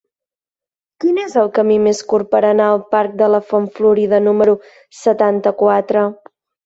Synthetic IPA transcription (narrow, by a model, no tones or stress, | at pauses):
kinezəlˠkəmimeskurpəɾənaəlˠpaɾk̚d̪ələfoɱfluɾiðənuməɾu | sət̪ant̪əkwat̪ɾə